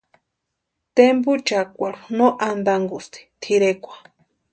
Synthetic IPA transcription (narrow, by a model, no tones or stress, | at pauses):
t̪embut͡ʃakʷaɾunoʔand̪aŋɡust̪i̥t̪ʰiɾekʷḁ